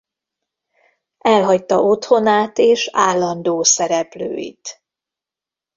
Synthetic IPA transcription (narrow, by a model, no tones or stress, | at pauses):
ɛlɦɒct̪ɒo̞t̪ho̞naːt̪eːʃaːlːɒnd̪oːsɛɾɛplø̰ːjḭt̪